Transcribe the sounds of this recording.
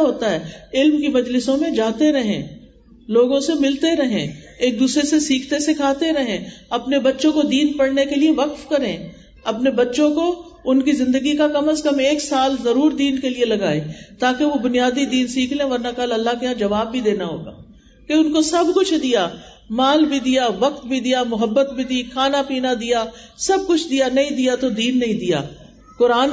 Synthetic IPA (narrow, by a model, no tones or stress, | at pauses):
ɦoːt̪aɦɛːɪlmkimɐd͡ʒlɪsõmẽd͡ʒaːt̪eɾɐɦẽː | loːɡõsemɪlt̪eɾɐɦḛ̃ːeːk̚d̪uːsɾesesiːkʰt̪esekʰaːt̪eɾɐɦẽːɐpnebɐtːʃõkod̪iːnpɐɽnekelieʋɐkfkɐɾẽː | ɐpnebɐtːʃõkoʊnkizɪ̃nd̪əɡikakɐməskɐmeːksaːlzɐɾuːɾd̪iːnkelielɐɡa̰ːet̪aːkeʋobʊnijaːd̪id̪iːnsiːkʰlẽʋɐɾnakɐlɐlːakeɦãd͡ʒɐʋaːbbʱid̪eːnaɦo̰ːɡa̰ː | keʊnkosɐbkʊt͡ʃʰd̪ija | maːlbʱid̪ijaʋɐk̚t̪̚bʱid̪ijamʊɦəbːət̪̚bʱid̪iːkʰaːnapiːnad̪ijaːsɐb̚kʊt͡ʃʰd̪ijanɐɦĩd̪ijat̪od̪iːnːɐɦĩd̪ija̰ː | kʊɾaːn